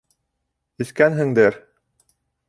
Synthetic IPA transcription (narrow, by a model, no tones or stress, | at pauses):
ɘ̆skænɦɘ̆ŋd̪ɘɾ